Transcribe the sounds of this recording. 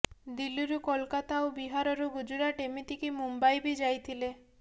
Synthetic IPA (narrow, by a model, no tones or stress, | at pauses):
d̪iluɾukɔlkat̪aobiɦaɾɔɾuɡud͡ʒuɾaʈemit̪ikimumbajbid͡ʒajt̪ʰile